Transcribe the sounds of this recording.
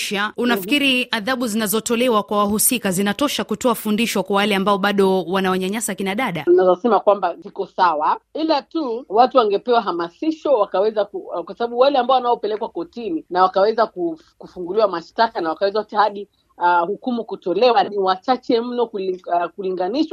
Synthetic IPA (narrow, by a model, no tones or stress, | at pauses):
ʃaunafi̥kiɾiaðaɓuzinazɔtɔlɛwakwawaɦusikazinatɔʃakutɔafundiʃwɔkwawalɛambaɔɓaɗɔwanawaɲaɲasakinaɗaɗanazɔsɛmakwambazikɔsawailatuwatuwaŋɡɛpɛwaɦamasiʃɔwakawɛzakukwasaɓaɓuwalɛambaɔwanaɔpɛlɛkwakɔtininawakawɛzaku | kufuŋɡuliwamaʃtakanawakawɛzautihaɗi | hukumukutɔlɛwaniwat͡ʃat͡ʃɛm̩nɔkukuliŋɡaniʃwa